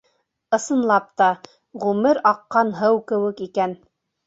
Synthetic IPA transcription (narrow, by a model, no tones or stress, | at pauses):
ɤ̆sɤ̆nlˠɑp̚t̪ɑ | ʁʉmɘɾɑqːɑnɦɤwkɘ̆wɘ̆kikæn